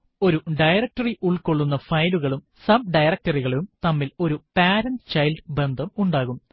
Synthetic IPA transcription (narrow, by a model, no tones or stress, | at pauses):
o̞ɾuɖɐjrɐk̚tɐriʔuɭkoɭːunːɐfɐjluɣɐɭum | sɐb̚ɖɐjrɐk̚tɐriɣɐɭumt̪ɐmːilo̞ɾupaːɾɐnt͡ɕɐjlɖɨbe̞nd̪ʱɐmuɳɖaːɣum